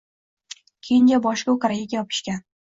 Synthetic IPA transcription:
kʲʰejɪnd͡ʒʲabɒʃkʲaokaɾaɡʲaɡʲajɒpʰɪ̥ʃkʲan

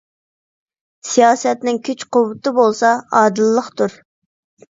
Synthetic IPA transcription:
sijɑːsɛt̪nɪŋkʲʰyt͡ʃqʊwʊt̪ɨbolˠsɑɑːd̪ɨlːəχt̪uɾ

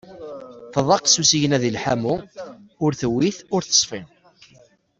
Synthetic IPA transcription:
θəðˤɑqsusijənæðilħamuʊɾθwːiθʊɾθə̥sˤfin

